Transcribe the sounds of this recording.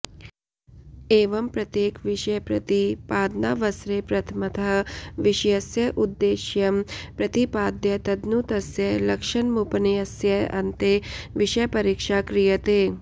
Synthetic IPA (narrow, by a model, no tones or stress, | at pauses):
eːʋɐmpɾɐt̪jeːkʋiʃjɐpɾɐt̪ipaːd̪naːʋɐsɾeːpɾɐt̪ʰɐmɐt̪ɐɦʋiʂɐjɐsjɐʔud̪ːeːʃjɐmpɾɐt̪ipaːd̪jɐt̪ɐd̪nut̪ɐsjɐlɐkʂɐnmupɐnijɐsjɐɐnt̪eʋiʃɐjɐpɐɾiːkʂaːkɾijɐt̪eː